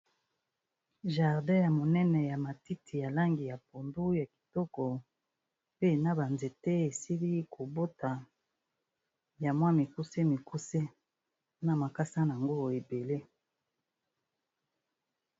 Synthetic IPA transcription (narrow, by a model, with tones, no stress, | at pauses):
ʒa˨ʁdɛ̃˦ja˨mo˨nɛ˦nɛ˨ja˨ma˨ti˦tʰi˨ja˨la˦ŋɡi˨ja˨p̚o˨ndu˦ja˨ki̥˨tɔ˦kɔ˨ | pe˦˨na˦ba˨nze˨te˦e˨si˦li˦kʰo˨bo˦ta˨ | ja˨mwa˦mi˨ku˦se˦mi˨ku˦se˦ | na˨ma˨ka˦sa˦n˨a˨ŋɡo˦e˨be˨le˦